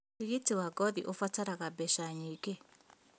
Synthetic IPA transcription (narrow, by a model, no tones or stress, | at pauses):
iɣitiwaɡɔðiʔofataɾaɣabɛʃaɲike